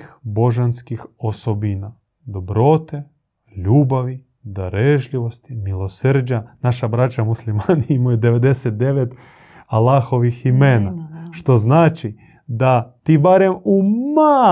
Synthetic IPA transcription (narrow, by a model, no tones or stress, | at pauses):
boʒanskixosobina | d̪o̞bɾo̞t̪e | ʎuːbaʋi | d̪aɾeʒʎiʋost̪imilˠo̞sɾɲanaʃabɾat͡ʃamuslimaniimujed̪eʋed̪eset̪̚d̪eʋet̪ | alːaːxo̞ʋiximeːnaʃt̪o̞znaːt͡ʃi | d̪at̪ibaɾemuma